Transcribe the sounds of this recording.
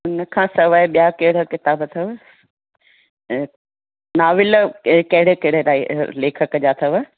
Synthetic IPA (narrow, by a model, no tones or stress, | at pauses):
ʊnə̆kʰãːsɐʋaeɓijakɐɦɪɽ̤okɪt̪aːbət̪ʰɐʋ | naːʋɪləkɐɦɪɽekɐɪɽ̤elaːileːkʰəkəd͡ʑaːt̪ʰɐʋə